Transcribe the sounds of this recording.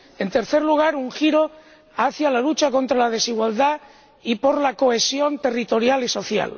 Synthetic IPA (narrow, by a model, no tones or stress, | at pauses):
e̞nt̪e̞ɾθe̞ɾluɣ̞aɾuŋxiɾo | aθjalalut͡ʃako̞nt̪ɾalað̞e̞siɣ̞wald̪a | ipo̞ɾlako̞e̞sjo̞nt̪e̞rit̪o̞ɾjaliso̞θja̰l